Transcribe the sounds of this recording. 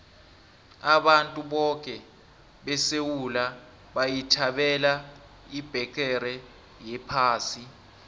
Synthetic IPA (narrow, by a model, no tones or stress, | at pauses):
aɓantʼuɓɔkʼɛ | ɓɛsewula | ɓajitʰaɓɛla | ib̥ʱɛk̬ʰʼɛɾɛ | jɛpʰaːsi